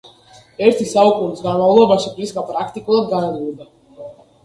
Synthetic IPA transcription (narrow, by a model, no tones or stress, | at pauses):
ɛɾt̪ʲisawkunsɡaɾlawlˠɔbaʃapɾiskapɾakt̪ikulˠaɡanaluːd̪a